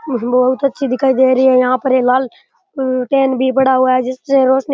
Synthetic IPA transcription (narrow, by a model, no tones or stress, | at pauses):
bbɐɦut̪ɐtːʃʰid̪ɪkʰːaːid̪eːɾəiɛːjãːpəɾẽːlaːl | ʈeːnbʱipəɽaːɦʊaːd͡ʒɪsẽːɾoːsn